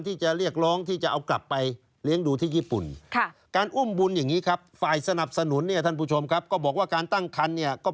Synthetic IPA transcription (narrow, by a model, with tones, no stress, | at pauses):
nt̪ʰiː˥˩t͡ɕa˨˩ɾi˥˩ək̚ɾɔː˦˥ŋt̪ʰiː˥˩t͡ɕa˨˩ʔa˧wkla̰˨˩pːa˧j | li˦˥əŋduː˧t̪ʰiː˥˩jiː˥˩pṵ˨˩nkʰkaː˧nʔu˥˩mbu˧nja˨˩ŋːiː˦˥kʰa˦˥p̚faː˨˩jsa˧na˨˩p̚sa˧nu˨˩˦nːi˥˩ɐt̪ʰa˥˩npʰuː˥˩t͡ɕʰo˧mkʰa˦˥p̚kɔː˥˩bɔː˨˩kwaː˥˩kaː˧nt̪a˥˩ŋkʰa˧nːi˥˩ɐkɔː˥˩